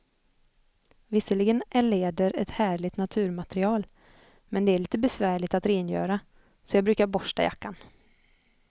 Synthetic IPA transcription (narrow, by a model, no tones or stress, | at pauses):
vɪsːəlɪɡənʔæɭeːd̪əɾɛt̪hæːɭɪt̪nat̪ʰʉ̟ːɾmat̪ɾɪɑːl | mɛnd̪ɛæɭiːt̪əbɛsvæːɭɪt̪at̪ɾeːnjœ̰ːɾa | sɔjɑːɡbɾʉ̟ːkaɾbɔʂʈa̰ja̰kːan